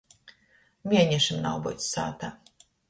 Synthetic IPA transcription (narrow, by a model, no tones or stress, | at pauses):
mʲiɛɲɛʃimna̰wbṵt̪ssa̰ːt̪aː